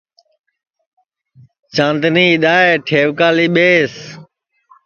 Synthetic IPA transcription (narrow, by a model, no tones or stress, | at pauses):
t͡ʃãːnd̪niːɗ̪aːeːʈʰeːʋkaːliːɓeːs